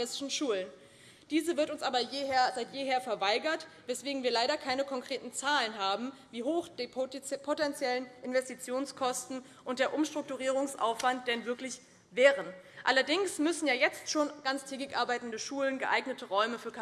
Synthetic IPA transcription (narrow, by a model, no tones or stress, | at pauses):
sɪʃn̩ʃuːlən | d̥iːzəvɪɐtʊnsʔaːbɐjɐzaɪtjeːheːɐfɛɐvaɪɡɐtvɛsv̥eːɡŋ̩viːɐlaɪɾɐkʰaɪnəkʰɔŋkʁ̥eːtn̩t͡saːlənɦaːbm̩viːɦoːxd̥epʰotɛnt͡sjɛlənʔɪnvɛstit͡sjoːnskʰɔstn̩ | ʔʊnt̚d̥eːɐʔʊmʃtʁ̥ʊk̚tuʁiːʁ̞ʊŋsʔa̰ʊfv̥ant̚d̥ɛnvɪɐklɪç | vɛːʁən | ʔalɐdɪŋsmʏsn̩jaːjɛt͡stʃoːnɡ̥ant͡stʰɛːɡɪkʔaɐbaɪtn̩dəʃuːlənɡəʔaɪɡnətʰəʁɔʏməfyːɐkʰ